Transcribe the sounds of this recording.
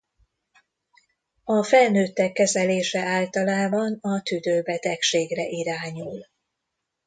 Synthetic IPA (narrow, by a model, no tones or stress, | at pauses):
ɒfɛlnøːt̪ːɛkːɛzɛleːʃɛaːlt̪ɒlaːbɒnɒt̪yd̪øːbɛt̪ɛkʃeːɡrɛʔiɾaːɲul